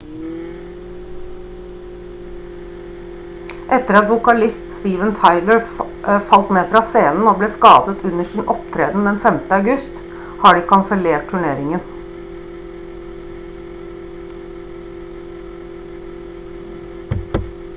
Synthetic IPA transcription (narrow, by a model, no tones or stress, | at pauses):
ʔɛt̪əɾɑt̪ʋʊkɑlɪst̪st̪iːʋənt̪ʰɑɪləɹ | fɑlt̪neːfɾɑːseːnn̩oːbleːskɑːd̪ət̪ʉnəʂɪːnʔɔpt̪ʰɾeːd̪n̩d̪ɛnfɛmt̪əɑʉɡʉst̪ | hɑːɖiːkʰɑnsəleːʈ̚t̪ʰʉɳeːɾɪŋən